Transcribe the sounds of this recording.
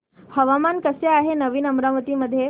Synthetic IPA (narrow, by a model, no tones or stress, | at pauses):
həʋamankəsjeaɦenəʋiːnəmɾamət̪iməd̪ʱːje